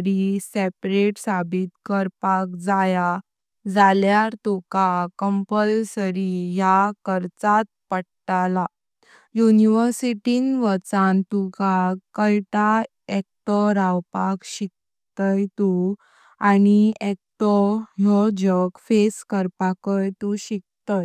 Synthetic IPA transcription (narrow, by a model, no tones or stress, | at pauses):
ɾisepɾeʈsabit̪kəɾpakd͡zaja | d͡zaljaɾt̪ukakəmpəlsəɾijakəɾt͡sat̪̚pəɽʈala | juniʋəɾsiʈinʋət͡sant̪ukakəjʈa | ɛk̚ʈ̪ɔɾawpakɕik̚ | t̪əjt̪u | aniɛk̚t̪ɔɦɔd͡ʑəkfeskəɾpakəjt̪uɕik̚t̪əj